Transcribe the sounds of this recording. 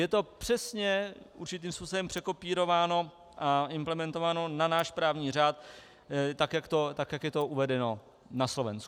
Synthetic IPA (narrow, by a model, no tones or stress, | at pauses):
jɛt̪o̞pr̝̥ɛsɲɛʔṵɾt͡ʃɪt̪iːmspuːsoɛmpr̝̥ɛko̞piːɾo̞vaːno̞ | ʔaɪmplɛmɛnt̪o̞vaːno̞nanaːʃpɾaːvɲiːr̝aːt̪ | t̪ːakjakt̪o̞t̪akjakjɛt̪o̞uvɛdɛno̞ | naslo̞vɛnsku